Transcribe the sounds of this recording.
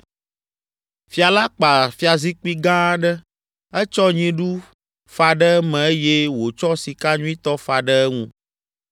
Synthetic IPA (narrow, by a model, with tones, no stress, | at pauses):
fi˦a˨la˦k͡pa˨fi˦a˨zi˦k͡pi˦ɡã˦ɖɛ˦ | ɛ˦t͡ʃɔ˦ɲĩ˦ɖu˦ | fa˨ɖɛ˦mɛ̃˨e˦je˦wo˨t͡ʃɔ˦si˨ka˦ɲũ˦i˦t̪ɔ˦fa˨ɖə˦ɛ˦ŋũ˦